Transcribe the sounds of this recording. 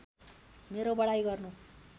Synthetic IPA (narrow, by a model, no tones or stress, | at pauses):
meɾobʌɽajɡʌrnu